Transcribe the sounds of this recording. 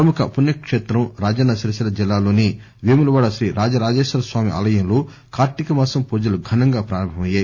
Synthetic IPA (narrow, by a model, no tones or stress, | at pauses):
ɾɐmukɐ̰punjɐkʂeːt̪ɾɐmɾaːd͡ʒɐnːɐsiɾɐsilɐd͡ʒilːaːlo̞ːni | ʋeːmulɐʋaːɽɐʃɾiːɾʔaːd͡ʒɐɾaːd͡ʒeːʃɐlɐsʋaːmiʔa̰ːlɐjɐmloː | kaːɾʈ̪ikɐmaːsɐmpuːd͡ʒɐluɡʱɐnɐŋɡaːpɾaːɾɐmbʱɐmɐjːaːji